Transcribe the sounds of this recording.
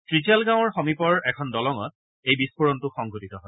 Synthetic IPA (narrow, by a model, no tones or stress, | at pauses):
tɹizalɡãw̃ɔɹxɔmipɔɹɛkʰɔndɔlɔŋɔ̰t̚ | ejbispuɹɔntʊxɔŋɡʱutitɔɦɔj